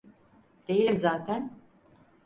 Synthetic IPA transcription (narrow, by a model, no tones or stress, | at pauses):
d̪̥e̞jilʲimzaːt̪ʰæn